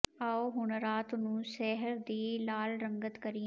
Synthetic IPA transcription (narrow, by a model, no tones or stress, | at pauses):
aːoɦʊɳəɾaːt̪nũːʃɛːɦəɾd̪eːlaːlɾəŋɡət̪kəɾi